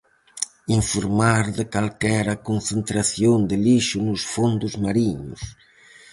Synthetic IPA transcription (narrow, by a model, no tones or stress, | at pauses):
iɱfoɾmaɾðɪkalkɛɾɐkonθent̪ɾaθjond̪ɪliʃʊnʊsfond̪ʊzmaɾiɲʊ̰s